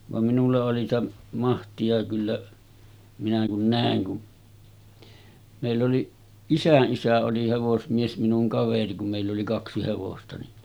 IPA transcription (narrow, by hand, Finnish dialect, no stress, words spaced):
ʋɑm minulːɑ oli sĭtæ mɑhtiɑ kylːæ minæ kun næˑeŋ kun meˑilː oli isæʔ ʔisæ oli heʋosmies minuŋ kɑʋeri kum meˑilː oli kɑksi heʋostɑ ni